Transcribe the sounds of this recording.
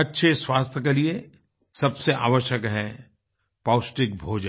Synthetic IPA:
ɐtːʃʰeswaːst̪ʰjəkelie | sɐbseʔa̰ːʋəʃjəkɦɛ | paːʊsʈɪk̚bʱoːd͡ʒə

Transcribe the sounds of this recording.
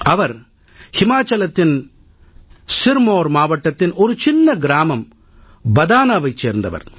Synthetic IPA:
ɐʋɐɾ | hɪmaːt͡ʃɐlɐt̪ːɪn | sɪɾmoːɾmaːʋɐʈːɐt̪ːɪnɔɾɯt͡ʃɪnːɐɡɪɾaːmɐm | bɐðaːnaːʋɐɪt͡ʃːeːɾnd̪ɐʋɐ̰ɾ

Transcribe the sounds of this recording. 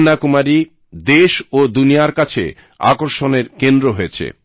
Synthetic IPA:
nːakumaɾi | d̪eʃod̪unijaɾkat͡ɕʰḛ | a̰koɾʃoneɾkend̪ɾoɦojet͡ɕʰḛ

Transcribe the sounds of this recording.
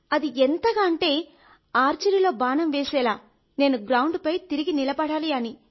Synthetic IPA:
ɐd̪iɛnt̪ɐɡaːɐɳʈe̞ː | aːɾt͡ʃɐɾilo̞ːbaːnɐmʋeːsɛːlaː | ne̞ːnuɡɾɐwɳɖpɐjt̪iɾiɡinilɐbɐɽaːliɐni

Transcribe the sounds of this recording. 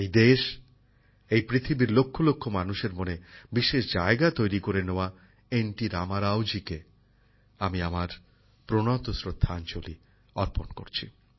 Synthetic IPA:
ejd̪eʃ | ejpɾit̪ʰibiɾlokʰːolokʰːomanuʃeɾmonebiʃeʃd͡ʑaeɡat̪ojɾikoɾeneoa | enʈiɾamaɾawd͡ʑike | amiamaɾ | pɾonɔt̪osɾod̪ʱːaant͡ɕoli | ɔɾponko̰ɾt͡ɕʰḭ

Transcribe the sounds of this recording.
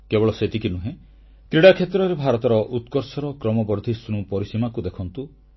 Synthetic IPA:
kebɔɭɔset̪ikinuɦẽ | k̪ɾiɽakʰet̪ɾɔɾebʱaɾɔt̪ɔɾɔʔut̪kɔɾsɔɾɔkɾɔmɔbɔɾd̪ʱisɾ̃ũpɔɾisimakud̪ekʰɔnt̪u

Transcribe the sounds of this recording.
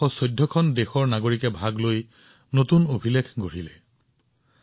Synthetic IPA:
ɔsɔjdʱːɔkʰɔndexɔɹnaɡoɹikɛbʱaɡloj | notunobʱilekʰɡoɹilɛ

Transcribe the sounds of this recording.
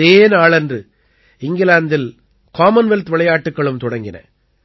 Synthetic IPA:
eːnaːɭɛndrɯ | ɪŋɡɪlaːnd̪ɪl | kaːmɐnʋɛlt̪ʋɪɭɐjaːʈːɯkːɐɭɯmt̪ɔɽɐŋɡɪnɐ̰

